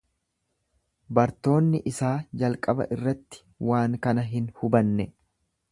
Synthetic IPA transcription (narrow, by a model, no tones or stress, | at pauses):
bɐɾt̪o̞ːnːɪʔɪsaːd͡ʒɐlkʼɐbɐ̰ʔɪrːɐt̪ːɪ̥ | waːŋkɐnɐɦɪnhʊbɐnːɛ